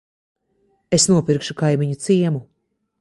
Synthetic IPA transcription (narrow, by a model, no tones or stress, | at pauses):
esnuɔpiɾkʃukajmiɲut̪siɛmu